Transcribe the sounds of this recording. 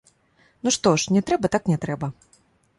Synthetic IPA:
nuʂt̪ɔʂnʲɛt̪ɾɛbɐt̪aknʲɛt̪ɾɛbɐ

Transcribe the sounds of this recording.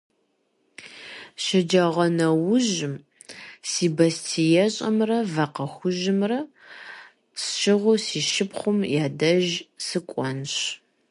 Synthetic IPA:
ʃɐd͡ʒɐʁɐnɐwʊʒɪm | siːbɐstʰijɛɕʼɐ̰mrɐvɐqɐxʷʊʒɪmrɐ | sʃɪʁʷʊsiːʃɪpχʷʊmjaːdɐʒsɨkʷʼɔnɕ

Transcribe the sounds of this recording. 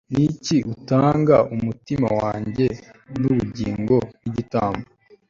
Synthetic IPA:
niciutaːŋɡaʔumutima̰waːɲɟe̞nuβuɟiːŋɡo̞niɟitaːmbo

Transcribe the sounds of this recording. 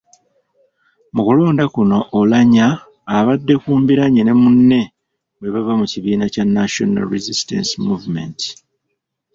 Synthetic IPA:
mukulo̞ːndakuno̞ʔːlaɲaː | βadːe̞kuːmbiɾaɲene̞munːe̞ | ɡwe̞βavamuciβiːnacanːaʃo̰na̰lɾizistḛnsimuvume̞̰nti̥

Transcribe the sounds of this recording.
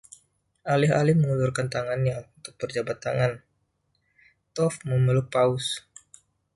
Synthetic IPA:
ʔalɪɦa̰lɪhməŋulurkant̪aŋanɲaunt̪ʊk̚pərd͡ʒabat̪ːa̰ŋan | t̪ɔfməməlʊk̚paʊs

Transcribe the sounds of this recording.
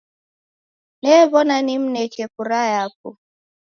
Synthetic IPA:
nɛβɔnanim̩nɛkɛkuɾajap̚u

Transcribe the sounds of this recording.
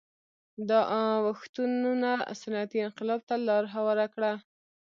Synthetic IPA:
d̪əʔwaxt̪unna̰sanɑat̪iɪnqɪlɑb̚t̪alɑɾɦawaɾakɽa

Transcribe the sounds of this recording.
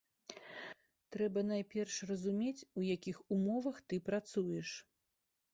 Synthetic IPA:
t̪ɾɛbɐn̪ajpʲɛrʂrɐzumʲet͡sʲujakʲixumɔvɐxt̪ɨpɾat̪sujɛʂ

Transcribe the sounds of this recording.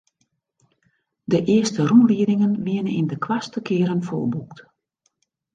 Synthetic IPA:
dəʔɪəstərumliədɪŋənʋiənəindəkʰwastəkʰɪəɾənfoːlˠbukt

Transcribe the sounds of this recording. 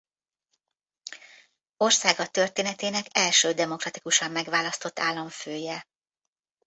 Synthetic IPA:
o̞rsaːɡɒt̪ørt̪eːnɛt̪eːnɛkɛlʃøːd̪ɛmo̞krɒt̪ikuʃɒmːɛɡʋaːlɒst̪o̞t̪ːaːlːɒɱføːjɛ

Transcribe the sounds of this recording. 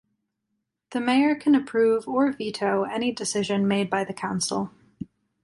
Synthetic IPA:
ðɨmeɪə˞kʰɨ̃nɨpʰɹ̥ʉvə˞viɾʰoʊɛnidɨsɪʒɨ̃nmeɪd̚baɪðɨkʰãʊ̃nsl̩ˠ

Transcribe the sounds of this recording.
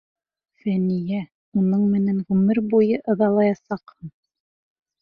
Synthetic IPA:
fænijæ | unɤɴmɘ̆næŋʁʉmɘɾbujɤʔɤ̆ðɑlˠɑjɑsɑqhɤn

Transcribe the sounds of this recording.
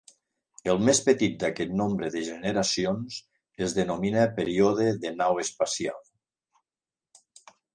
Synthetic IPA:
elˠmespət̪it̪̚d̪akɛt̪nombɾəðəʒeneɾasionz | ezðənominapeɾioðeðenawespasia̰lˠ

